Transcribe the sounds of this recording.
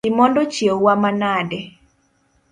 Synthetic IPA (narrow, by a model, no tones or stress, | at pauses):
ɪmɔndɔt͡ʃjewwamanadɛ